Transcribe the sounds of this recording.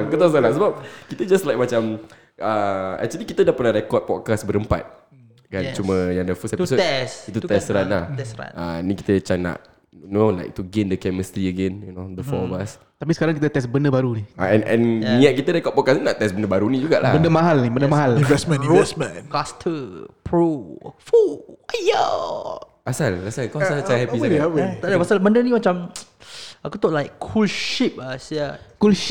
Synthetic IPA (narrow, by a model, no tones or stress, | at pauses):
ŋkət̪as̬alaʔsəbap̚kit̪əd͡ʒaslajk̚mat͡ʃam | əɛ̰k̚t͡ʃuəlikit̪ədahpənahɾɛkɔt̪̚pɔt̚kasbəɾəmpa̰t̪̚ | kant͡ʃuməjãŋdəfəst̪ɛtisosit̪ut̪ɛsɾanlahɛsa̰anĩki̥t̪ət͡ʃaŋna̰ʔ | nola̰ɪk̚t̪uɡẽndəkɛməst̪ɾiəɡɛ̃njunod̪əfɔmas | t̪ap̬isə̥kaɾaŋk̬it̪ət̪ɛsbənəbaɾunia̰ɛ̃nʔɛ̰̃nnĩət̪̚kit̪ədakɔʔpɔkasinaʔt̪ɛsbənəbaɾunĩd͡ʒuɡa̰ʔlabəndəmaɦalnibəndəmaɦalĩnvɛsmə̃nɹosmə̰̃kastʰəpʰɹofuaja | ʔasalasalkaasalt͡ʃahɛpisaɛpə̃t̪adapasalbəndənĩmat͡ʃãm | akut̪ɔʔlaɪkʰulʃip̚asiakulʃ